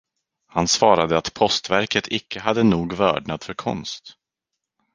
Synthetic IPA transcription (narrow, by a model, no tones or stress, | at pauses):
hansvɑːɾad̪əat̪pʰɔst̪væɾkət̪ʰɪkʰːəɦad̪ːənuːɡvœ̰ːɖɳat̪fœɾkʰɔ̰nst̪